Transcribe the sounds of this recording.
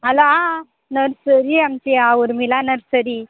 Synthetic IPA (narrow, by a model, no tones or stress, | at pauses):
ɦaloã | nəɾsəɾiamt͡ɕiaʋəɾmilanəɾsəɾi